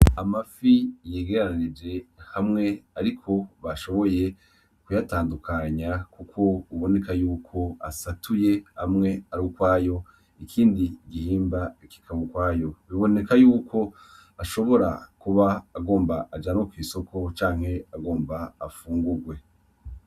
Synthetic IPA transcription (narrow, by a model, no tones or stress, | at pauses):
amafijeːɡe̞ɾanid͡ʒe̞hamŋe̞aɾikʰo̞βaʃo̞βo̞je̞ | kujataːndukaɲakukʰo̞uβo̞ne̞kajuːkʰo̞a̰satuje̞hamŋe̞aɾukwaːjo̞ | ikʰiːndiɡihiːmbaiki̥kʰaβokwaːjo̞βiβo̞ne̞kajuːkʰo̞ | aʃo̞βo̞ɾa̰kuβaːɡo̞ːmbaʔad͡ʒanokwiːso̞ko̞t͡ʃaːŋ̥he̞aɡo̞ːmbaːfuːŋɡuɡwe̞